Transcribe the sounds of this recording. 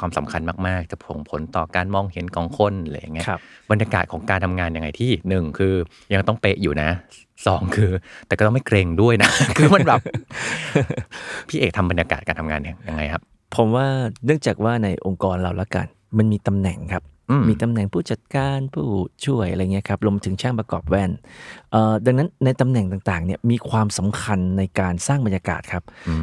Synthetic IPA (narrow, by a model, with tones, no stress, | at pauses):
kʰwaː˧msa˩˦mkʰa˧nmaː˥˩k̚maː˥˩k̚t͡ɕa˨˩pʰo̰˩˦ŋpʰo˩˦nt̪ɔː˨˩kaː˧nmɔː˧ŋhe˩˦nkɔː˧ŋkʰo˧˥˩n˧la̰˦˧˩ja̰˨˩ŋːi˦˥˦ba˧nja˧kaː˨˩ɔː˩˦ŋkaː˧nt̪ʰa˧mŋaː˧nja˧ŋːa˧jt̪ʰiː˥˩nɯ˨˩ŋkʰɯː˧ | ja˧ŋt̪ɔ˥˩ŋpe˦˥ʔjuː˨˩na˦˥ | sɔː˩˦ŋkʰɯː˧t̪ɛː˨˩kɔː˥t̪ɔ˥˩ma˥˩jkɾeː˧ŋdu˥˩əjna˦˥kʰɯː˧ma˧˥nbɛː˨˩p | pʰiː˥˩ʔeː˨˩k̚t̪ʰa˧mba˧nja˧ka̰ː˨˩t̪̚kaː˧nt̪ʰa˧ŋaː˧na˦˧˩ŋja˧ŋːa˧jkʰa˦˥p̚ | pʰo˩˦mwaː˥˩nɯ˥˩ŋt͡ɕaː˨˩k̚waː˥˩na˧jʔo˧ŋkɔː˧nɾa̰˨˧˩wla˦˥ka̰˧n | ma˧nmiː˧t̪a˧mnɛ˨˩ŋkʰa˦˥p̚ | ʔmiː˧t̪a˧mnɛ˨˩ŋpʰuː˥˩t͡ɕa˨˩t̪̚kaː˧npʰuː˥˩t͡ɕʰu˥˩əjʔa˧ɾa˧jŋi˦˥ɐ˩kʰa˦˥p̚ɾu˧m˧t̪ʰɯ˩˦ŋt͡ɕʰaː˥˩ŋpɾa˧kɔ̰ː˨˩p̚wɛ˧˥˩nʔəː˧˩da˧ŋna˦˥nːa˧jt̪a˧mnɛ˨˩ŋt̪aː˨˩ŋt̪aː˨˩ŋni˥˩ɐmiː˧kʰwaː˧msa˩˦mkʰa˧nːa˧jkaː˧nsaː˥˩ŋba˧njaː˧ka̰ː˨˩t̪̚kʰa˦˥p̚